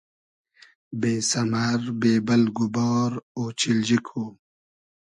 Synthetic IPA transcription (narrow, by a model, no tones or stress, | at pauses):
beːsɐmaɾbeːbɐlɡubɔːɾoːt͡ɕild͡ʑikʰoː